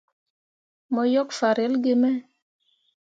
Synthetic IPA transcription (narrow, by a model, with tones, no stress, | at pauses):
mɔ˨jɔ˦kfa˨ɾɛ˨˦lɡɪ˦mɛ˦